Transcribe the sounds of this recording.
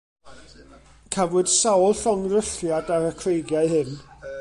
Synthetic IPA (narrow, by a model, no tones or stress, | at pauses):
kʰavʊd̥sawlˠɬɔŋrəɬjadaɾəkʰrejɡjaɨɦɨn